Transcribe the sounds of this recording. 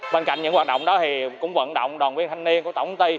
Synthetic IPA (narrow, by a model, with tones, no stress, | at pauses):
ɓeː˧nka̰˧˨jŋ̟ɲɨ̰˧˥ŋhw̚ːɗə̰˧˨wŋ͡mɗɔ˨˦t̪ʰi˨˩kʊ̰˧˥ŋ͡mvə̰˧˨nɗo̰˧˨wŋ͡mɗwaː˨˩nwi˧ənt̪ʰa˧jŋni˧ənku˧˩t̪ə˧˩wt̪i˧